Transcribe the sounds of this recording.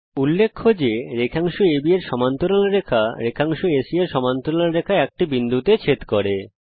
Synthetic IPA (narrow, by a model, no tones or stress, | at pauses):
ulːekʰːod͡ʑeɾekʰaŋʃoebieɾʃɔmant̪oɾalɾekʰaɾekʰaŋʃoesieɾʃɔmant̪olalalɾekʰaeɛk̚ʈibind̪ʱut̪et͡ɕʰet̪koɾe